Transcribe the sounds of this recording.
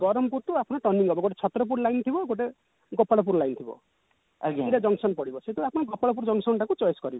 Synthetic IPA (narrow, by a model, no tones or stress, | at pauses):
ɡɔɾɔmpuɾt̪uapʰnɔʈʌnːiŋɡʱɔbɔɡoʈ̬et͡ʃʰɔt̪ɾɔp̬uɾlajnt̪ʰibɔɡoʈ̬e | ɡɔpːaɽɔp̬uɾlajnt̪ʰibɔ̰ | iɾad͡ʒʌŋsɔnpɔɽibɔsʰet̪uapʰnɔɡɔpaɽɔp̬uɾd͡ʒɔŋsɔnʈʰãkut͡ʃɔjskɔɾibɔ